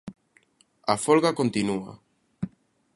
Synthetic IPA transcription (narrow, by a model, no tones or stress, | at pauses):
afolɣakont̪inua̰